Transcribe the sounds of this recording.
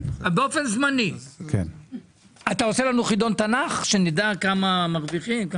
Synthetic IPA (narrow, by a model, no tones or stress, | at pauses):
beo̞fe̞nzmanikʰḛn | at̪ao̞se̞lanuχid̪o̞nt̪anaχʃe̞nid̪akamamaʁviχimka